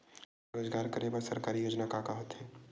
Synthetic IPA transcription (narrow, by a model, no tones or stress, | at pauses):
ɾoːzɡaːɾkɐɾebaɾsɐɾkaːɾijoːd͡ʒnakakaɦot̪ɦɛː